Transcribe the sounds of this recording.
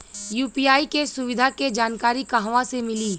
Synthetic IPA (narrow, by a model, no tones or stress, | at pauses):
juːpiːjaːikesʊʋɪd̪ʱaked͡ʒaːnkaːɾikaɦʋãsemɪliː